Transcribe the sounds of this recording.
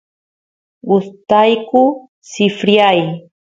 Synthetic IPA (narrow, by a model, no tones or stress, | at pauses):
ʊst̪ajkʊ | sɪfɾjaj